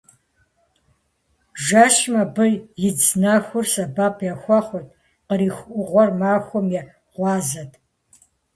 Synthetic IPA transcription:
ʒaːʃmɐbɨjɪd͡znaxʷʊrsɐbaːpʰjɛxʷɔχʷɔtʰʼ | qəɾiːxʷʔʷʊʁʷɔrmaːxʷɔmjɛ | ʁʷɑːzɐtʰ

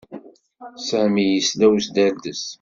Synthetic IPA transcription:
sæʕmijəslæwsd̪æld̪əs

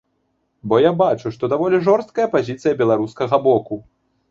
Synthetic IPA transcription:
bɔjabat͡ʂuʂt̪ɔd̪avɔlʲiʐɔrst̪̚kɐjɐpazʲit̪sɨjɐbʲɛlˠaɾuskɐɣɐbɔku

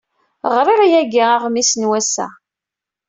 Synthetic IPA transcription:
ʁɾiɾjæɡiaʁmisnwæsæ̰

